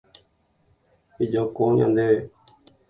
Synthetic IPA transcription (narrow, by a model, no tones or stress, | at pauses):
ɪd͡ʒoːkõːjã̰ːnd̪eː